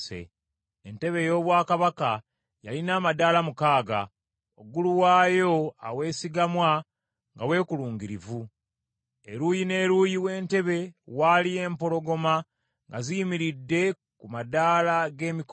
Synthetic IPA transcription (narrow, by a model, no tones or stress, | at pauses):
ḛ | ente̞βe̞jo̞ːβwaːkaβaka | jalinaːmadaːlamukaːɡa̰ | o̰ɡuluwaːjo̞a̰we̞ːsiɡamwa | ŋɡawe̞ːkuluːŋɡiɾivu | eɾuːjine̞ːɾuːjiwe̞ːnte̞βe̞walie̞ːmpo̞lo̞ɡo̞ma | ŋɡazijimiɾidːe̞ | kumadaːlaɡe̞ːmik